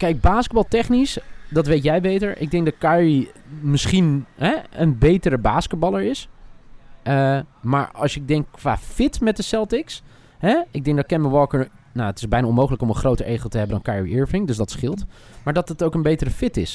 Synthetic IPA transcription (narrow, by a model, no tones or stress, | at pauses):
kɛjɡ̚baːskəd̚bɑlˠtɛχnisdɑtʋejtjɛjbejtəɹʔɪ̰ɡ̚dɛŋk̚dɑt̚kaɹimɪsχinɦɛənbejtəɾəbaːskəd̚bɑlˠəɹɪs | ʔəmaːɹɑ̰lˠsɪɡ̚dɛŋkːʋa̰ːfɪtmɛt̚dəsɛlˠtɪks | ɦɛɪɡ̚dɛŋk̚dɔtkɛnəʋəʋɔlˠkəɹnaətɪ̥zbɛjnaɔnmowχələkɔmənχrowtəɹejχlˠtəɦɛbəndɔnkaɹɹiʔɪɹfɪŋdɵs̬dɑtsχɪlˠt | maːɹdɑtətowkənbejtərəfɪtɪs